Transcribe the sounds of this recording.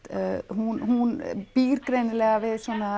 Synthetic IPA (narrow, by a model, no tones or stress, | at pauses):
hunhunb̥iːɾkɾenəlɛɣaʋɪðsɔnːa